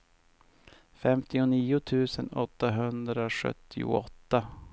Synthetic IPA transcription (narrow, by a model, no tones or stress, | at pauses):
fɛmt̪ʰɪʊniːʊt̪ʰʉ̟ːsənɔt̪ːaɦɵnd̪ɾaɧœ̰t̪ʰːɪʊ̰ɔt̪ːa